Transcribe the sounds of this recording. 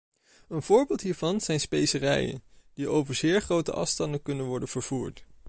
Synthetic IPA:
ənv̥ʊːɹbɪːlˠtɦiːɹvɑnz̥ɛjnspejsərɛ̰jə̰nd̥iʔowvəɹzɪːɹχrowtə̰ʔɑ̰fstɑndəkɵnənʋɔɹdənv̥əɹv̥uːɹt

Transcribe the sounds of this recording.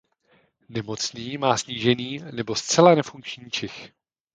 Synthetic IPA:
nɛmo̞t͡sniːmaːsɲiːʒɛniːnɛbo̞st̪t͡sɛlanɛfuŋkt͡ʃɲiːt͡ʃɛx

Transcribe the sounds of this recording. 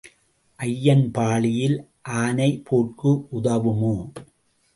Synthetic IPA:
ʔɐjːɐnpaːɭɪjɪl | ʔaːnɐɪpʰoːʈ̚kɯʔʊðɐʋɯmoː

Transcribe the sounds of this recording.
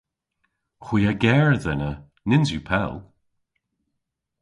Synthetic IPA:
xwiːəɡɛːɹðɛnə | nɪnzjupʰɛ̰lˠ

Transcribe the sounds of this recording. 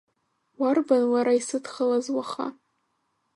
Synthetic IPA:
warbanwaɾaisɨtʰχəlazwaχa̰

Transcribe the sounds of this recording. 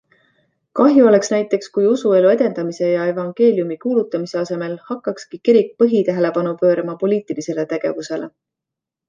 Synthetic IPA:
kɑɦjuo̞le̞ksnæjt̪ːˑe̞kskujusue̞lue̞d̪e̞nd̪ɑmise̞jɑe̞vɑŋɡ̥e̞ːlʲjumikuːlut̪ːˑɑmise̞ɑse̞me̞lhɑkːˑɑkskikiɾik̚pɤɦit̪æɦe̞le̞pɑnupø̞ːɾɑmɑpo̞liːt̪ilise̞le̞t̪e̞ɡ̥e̞vuse̞lʔe̞̰

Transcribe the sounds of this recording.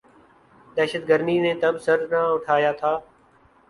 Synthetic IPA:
d̪ɛːʃət̪̚ɡəɾniːnẽːt̪əbsəɾnaːʊʈʰaːjaːt̪ʰaː

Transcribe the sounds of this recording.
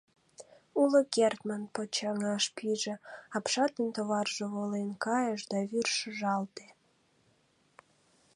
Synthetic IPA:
uləkert̪manpot͡ɕɑŋɑʃpiʒĕɑpʃɑt̪ent̪oβɑrʒoβolenkɑjəʃd̪ɑβyrʃəʒɑlt̪e

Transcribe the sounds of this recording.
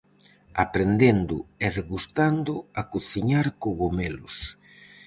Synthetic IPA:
apɾend̪end̪ʊɛðɣust̪and̪ʊakuθiɲaɾkoɣomelʊs

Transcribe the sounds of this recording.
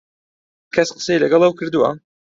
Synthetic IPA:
kʰɐsqə̥sejlɐɡɐlˠɐwkɨɾd̪uwɐ̰

